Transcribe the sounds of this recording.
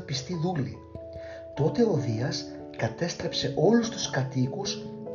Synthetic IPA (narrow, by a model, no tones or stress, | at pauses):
pist̪iðulḭ | t̪o̞t̪e̞o̞ðiɐs | kɐt̪e̞st̪ɾe̞pse̞ʔo̞lust̪u̥skɐt̪ikus